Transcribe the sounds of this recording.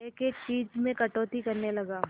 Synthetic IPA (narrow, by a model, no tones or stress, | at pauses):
eːkeːkt͡ʃiːd͡ʒmẽkɐʈoːt̪ikɐɾnelɐɡaː